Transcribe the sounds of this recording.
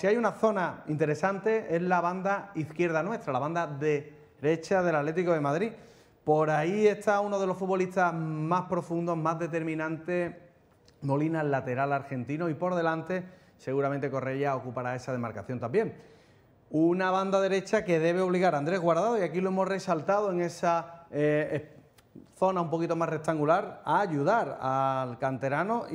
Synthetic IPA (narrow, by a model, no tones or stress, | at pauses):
siajunaθo̞naint̪e̞ɾe̞sant̪e̞e̞zlaβand̪aiθkje̞ɾð̞anwe̞st̪ɾalaβand̪aðe̞ | ɾe̞t͡ʃaðe̞lat̪le̞t̪̬iko̞ðe̞maðɾi | po̞ɾaie̞st̪auno̞ð̞e̞lo̞sfut̪̚βo̞liht̪amaspɾo̞fund̪o̞ɦmazðe̞t̪e̞ɾmĩnãnt̪e̞ | mo̞linalat̪e̞ɾalaɾxe̞nt̪inoipo̞ɾðe̞lant̪e̞ | se̞ɣuɾament̪e̞ko̞re̞ʎao̞kupaɾae̞sað̞e̞maɾkaθjo̞nt̪ambje̞ŋ | unaβ̞and̪aðe̞ɾe̞t͡ʃake̞ðe̞β̞e̞o̞β̞liɣaɾand̪ɾe̞zɣwaɾð̞aðoiakiloe̞mo̞sre̞salt̪að̞o̞eŋe̞sa | θo̞naumpo̞kit̪omare̞k̚t̪aŋɡulaɾaːʎuðaɾalkant̪e̞ɾano